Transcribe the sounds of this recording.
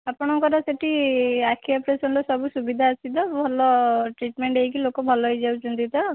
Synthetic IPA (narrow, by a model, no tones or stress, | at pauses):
apɔɽ̃ɔŋkɔɾɔseʈiakʰiɔpɾesɔnɾɔsɔbusubid̪ʱaːsid̪ɔbʱɔlɔʈɾiʈmeɳʈejk̬ilokɔbʱɔlɔɦɔjd͡ʒawt͡ʃʰunt̪it̪ɔ